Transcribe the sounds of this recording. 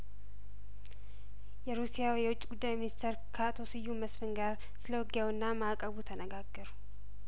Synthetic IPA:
jɛɾusijawjɛwʊt͡ʃʼːiɡud̪ːajminist̪ʰeɾkʰaʔt̪ʰo̞sɨjːuməsfɨŋɡaɾ | sɨləwɔɡjawɨnːamakʼəβut̪ʰənəɡaɡːəɾu

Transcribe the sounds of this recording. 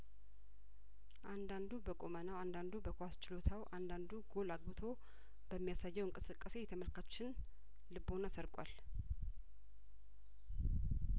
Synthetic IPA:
ʔand̪and̪ubəkʼo̞mənawand̪and̪ubəkʰowast͡ʃɪlo̞t̪ʰawʔand̪and̪uɡo̞laɡ̚bɨt̪ʰo̞ | b̥əmːijasajːɛwɨŋkʼɨsɨkʼːəse̞jɛt̪ʰəməlkʰat͡ʃːɪn | lɨbo̞nasəɾkʼwal

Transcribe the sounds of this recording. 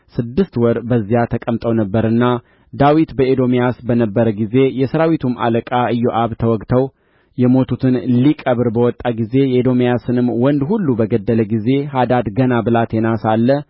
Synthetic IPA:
sɨd̪ːɨst̪wɔɾbəzːijat̪ʰəkʼəmt̪ʼəwnəbːəɾɨnːa | d̪awit̪bəʔed̪o̞mijasbənəbːəɾəɡize̞jɛsəɾawit̪ʰuma̰ləkʼaɨjːoʔaβt̪ʰəwɔɡt̪ʰəw | jɛmo̞t̪ʰut̪ʰɨnlikʼəβɾbəwɔt̪ʼːaɡize̞jɛed̪o̞mjasɨnɨmwɔnd̪hulːubəɡəd̪ːələɡize̞had̪ad̪ɡənabɨlat̪jɛnasalːə

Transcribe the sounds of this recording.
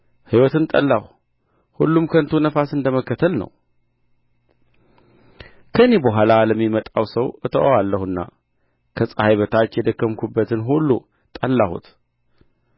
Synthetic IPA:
hɨjwɔt̪ɨnt̪ʼə̰lːah | hulːumkʰənt̪ʰunəfasɨnd̪əməkːət̪ʰəlnə̰w | kʰəɨne̞bəɦʷalaləmːimət̪ʼawsəwɨt̪ʰəʔawalːəhɨnːa̰ | kʰəsʼəhajβət̪ʰat͡ʃːjɛd̪əkːəmkʰubːət̪ɨnɦulːu | t̪ʼəlːahṵt̪

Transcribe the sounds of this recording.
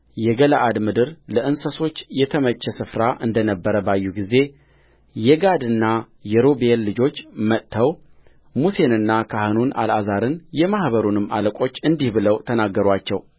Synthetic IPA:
jɛɡələʔad̪mɨd̪ɨɾləʔɨnsəso̞t͡ʃːjɛt̪ʰəmət͡ʃːɛsɨfɾaʔɨnd̪ənəbːəɾəbajːuɡize̞ | jɛɡad̪ɨnːa | jɛɾobelːɨd͡ʒo̞t͡ʃːmət̪ːʰəw | muse̞nɨnːakʰahɨnuna̰lazaɾɨnjɛmahβəɾunɨmːa̰ləkʷʼo̞t͡ʃːɨnd̪ihbɨləwt̪ʰənaɡːəɾwat͡ʃːɛw

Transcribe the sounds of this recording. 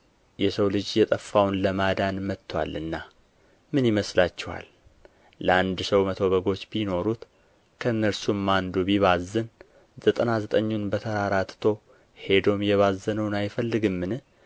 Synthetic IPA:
jɛsəwlɨd͡ʒjɛt̪ʼəfːawnləmad̪anmət̪ʰːwa̰lɨnːa | mɨnjiməslat͡ʃːɛwa̰lː | əand̪səwmət̪ʰo̞βəɡo̞t͡ʃːbino̞ɾut̪ | kʰəɨnːəɾsumːand̪ubiβazːɨn | zət̪ʼənazət̪ʼəɲːunbət̪ʰəɾaɾat̪t̪ʰo̞ | he̞d̪o̞mjɛβazːənəwnajfəlːɨɡɨmːɨnɨ

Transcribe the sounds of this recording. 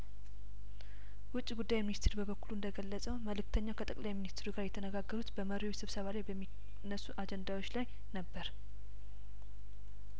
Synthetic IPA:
wʊt͡ʃʼːiɡud̪ːajminist̪ʰeɾbəβəkːuluɨnd̪əɡəlːəsʼəwməlɨk̚t̪ʰəɲːakʰət̪ʼəkʼlajminist̪ʰɾuɡaɾjɛt̪ʰənəɡaɡːəɾut̪bəməɾiwsɨβsəβalajbəmːi | nːəsːuʔad͡ʒɛnd̪awo̞t͡ʃːlaj | nəbːəɾ

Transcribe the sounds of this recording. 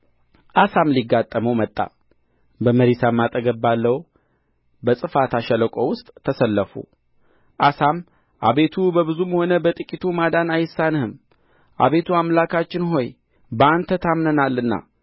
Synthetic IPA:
ʔasamliɡːat̪ʼːəməwmət̪ʼːa̰ | bəməɾisamːat̪ʼːəɡəbːalːəw | bəsʼɨfat̪ʰaʃɛləkʼo̞wʊst̪ʼʰːəsəlːəfṵ | ʔasam | ʔaβe̞t̪ʰubəβɨzumho̞nəbət̪ʼɨkʼit̪ʰumad̪anajɪsːanhɨm | ʔa̰βe̞t̪ʰuamlakʰat͡ʃːɪnɦo̞j | bəant̪ʰət̪ʰamnənalːɨnːa̰

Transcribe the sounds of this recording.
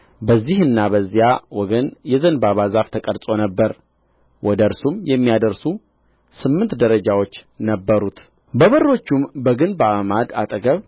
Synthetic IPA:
bəzːihɨnːaβəzːijawɔɡənjɛzənbaβazaft̪ʰəkʼəɾt͡sʼo̞nəbːəɾ | wʔɔd̪əɾsumjɛmːijad̪əɾsu | sɨmːɨnt̪d̪əɾəd͡ʒawo̞t͡ʃːnəbːəɾut̪ | bəβərːo̞t͡ʃːumbəɡɨnbəaβmad̪at̪ʼəɡəβ

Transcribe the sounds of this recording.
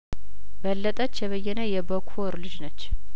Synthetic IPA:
bəlːət̪ʼət͡ʃːjɛβəjːɛnəjɛbəkʷʰoɾlɨd͡ʒnət͡ʃː

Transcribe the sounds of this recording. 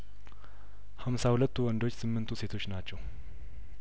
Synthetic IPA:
hamsahulət̪ːuwɔnd̪o̞t͡ʃːsɨmːɨnt̪ʰuse̞t̪ʰo̞t͡ʃːnat͡ʃːɛw

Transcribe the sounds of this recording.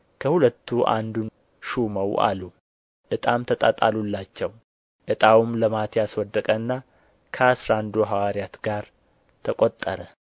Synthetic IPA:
kʰəhulət̪ːuʔa̰nd̪un | ʃuməwa̰lu | ʔɨt̪ʼamt̪ʰət̪ʼat̪ʼalulːat͡ʃːɛw | ʔɨt̪ʼawumləmat̪ʰjaswɔd̪ːəkʼənːa | kʰəasɾand̪oɦawaɾjat̪ɡaɾ | t̪ʰəkʼot̪ʼːəɾə

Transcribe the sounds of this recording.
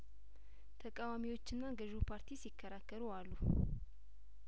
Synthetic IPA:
t̪ʰəkʼawamiwo̞t͡ʃːɨnːaɡəʒupʰaɾt̪ʰisikʰːəɾakːəɾualːu

